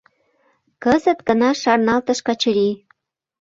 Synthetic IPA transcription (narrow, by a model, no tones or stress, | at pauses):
kəzə̆t̪ɡənɑʃɑrnɑlt̪əʃkɑt͡ɕəɾi